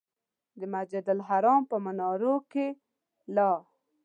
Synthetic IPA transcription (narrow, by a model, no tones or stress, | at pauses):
d̪əmad͡ʒad̪alɦaɾɑmpəmanɑɾoke | lɑ